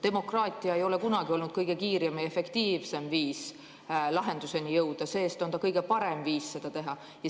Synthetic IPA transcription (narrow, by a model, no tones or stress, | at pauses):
t̪e̞mo̞krɑːt̪ˑiɑejo̞le̞kunɑɡio̞lnud̪̚kɤjɡ̥e̞kiːɾieme̞fe̞kt̪iːvse̞mviːs | lɑɦe̞nd̪̥use̞nijɤwd̪̥ɑse̞ːst̪o̞nt̪ɑkɤjɡe̞pɑɾe̞mviːsse̞d̪̥ɑt̪e̞ɦɑ | jɑ